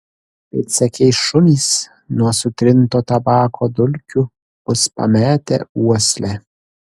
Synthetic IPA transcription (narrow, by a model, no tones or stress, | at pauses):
pet̪sɛkʲɛjʃʊmʲis | nuɐsut̪ɾɪnt̪ɔt̪abaːkʰɔd̪ʊlʲkʲʰu | ʊspa̰mɛːt̪ɛ̰uɔslɛ